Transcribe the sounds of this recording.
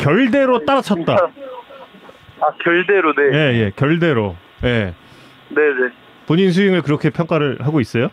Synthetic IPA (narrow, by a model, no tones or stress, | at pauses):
kjʌɭde̞ɾot͈aɾat͡ɕʰʌt̚t͈a | akjʌɭdeɾoneje̞je̞kjʌɭde̞ɾo | je̞ | ne̞ne | poɲins̬ʰuiŋɯɭkɯɾʌkʰe̞pʰjʌŋk͈aɾɯɭhaɡois͈ʌjo